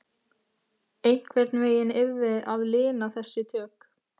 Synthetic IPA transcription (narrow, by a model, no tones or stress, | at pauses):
ejŋ̥kʰvɛɾt̪nveːjɪnɪɾvɪðaðlɪːnaθɛsːɪt̪ʰœːk